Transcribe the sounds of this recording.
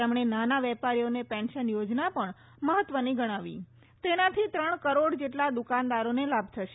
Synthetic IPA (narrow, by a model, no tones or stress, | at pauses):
ɛmɳ̃enanaʋɛpaɾijonepɛ̃nʃənjod͡ʒnapəɳ | məɦət̪ːʋəniɡəɽ̃aʋḭ | t̪enat̪ʰit̪ɾəɳ̃kəɾoɽd͡ʒeʈlad̪ukand̪aɾonelabʱt̪ʰəʃe